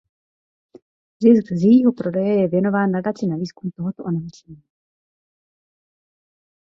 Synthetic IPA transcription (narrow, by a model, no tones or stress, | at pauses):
zɪsɡzjɛjiːɦo̞pɾo̞dɛjɛjɛvjɛno̞vaːnːadat͡sɪnaviːskumt̪o̞ɦot̪oʔonamit͡ʃɲi